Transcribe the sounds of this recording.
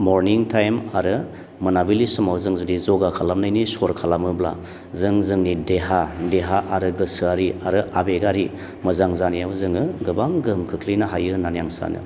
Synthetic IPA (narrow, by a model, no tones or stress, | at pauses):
moɾniŋtʰajmaɾɯ | mɯnabilisɯmawzɯŋzudizɔɡakʰalamnajnisoɾkʰalamɯbla̰ | zɯŋzɯŋnideɦadeɦaʔaɾɯɡɯsɯaɾiaɾɯʔabeɡaɾi | mɯzaŋzanijawzɯŋɯɡɯbaŋɡɯmkʰɯkʰlijnaɦajɯnanijaŋsa̰nɯ̰